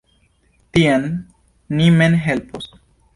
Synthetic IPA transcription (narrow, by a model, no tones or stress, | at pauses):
tianː | imenɦe̞lpos